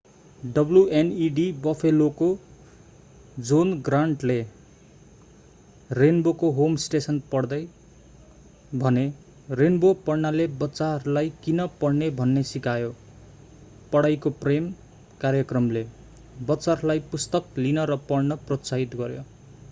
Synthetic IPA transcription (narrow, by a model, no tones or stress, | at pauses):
ɖʌbljueniɖibʌpʰeloko | d͡zonɡraɳʈle | renbokoɦomsʈesʌnpʌɽd̪ʌj | bʱʌne | renbopʌrnalebʌt͡sarlajkinʌpʌɽnebʱʌnːesikajo | pʌɽajkoprem | karjʌkrʌmle | bʌt͡sarlajpust̪ʌk̚linʌɾʌpʌrɽnʌprosaɦit̪ɡʌɾjo̰